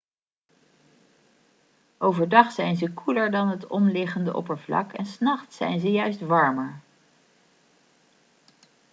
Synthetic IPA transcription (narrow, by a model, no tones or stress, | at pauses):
ʔowvəɹdɑχsɛjnzəkʰuləɹdɑnɦətɔmlɪχəndəʔɔ̰pəɹvlɑ̰kɛnsnɑχtsɛ̰jnzəjœɥstʋɑɹməɹ